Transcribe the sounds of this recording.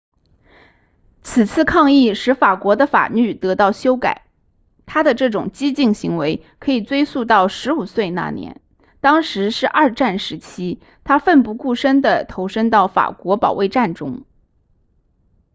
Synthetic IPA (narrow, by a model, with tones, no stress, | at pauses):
t͡sʰɹ̩˨˩t͡sʰɹ̩˥˧kʰɑ˥˧ŋi˥˩ʂɻ̩˧˥fa˨˩kwɔ˧˥d̪ə˧fa̰˨˩ly˥˩t̪ɤ˧˥t̪ɑ˥˩ʊɕjo˥ʊka̰˨˩˦ɪ | t̪ʰa˥d̪ə˨ʈ͡ʂɤ˥˩ʈ͡ʂʊ˨˩ŋt͡ɕi˥t͡ɕi˥˩ŋɕi˧˥ŋwe˧˥ɪkʰɤ˧˥i˨˩t͡swe˥ɪsu˥˧t̪ɑ˥˩ʊʂɻ̩˧˥u˨˩swe˥˧ɪna̰˥˩njɛ̰˧˥n | t̪ɑ˥ŋʂɻ̩˧˥ʂɻ̩˥˧ʔɐ˞˥˧ʈ͡ʂa˥˩nʂɻ̩˧˥t͡ɕʰi˥ | t̪ʰa˥fə˥˧npu˥˧ku˥˩ʂə˥ŋd̪ə˨t̪ʰo˧˥ʊʂə˥ŋt̪ɑ˥˩ʊfa̰˨˩kwɔ˧˥pɑ̰˨˩ʊwe˥˧ɪʈ͡ʂa˥˩nʈ͡ʂʊ˥ŋ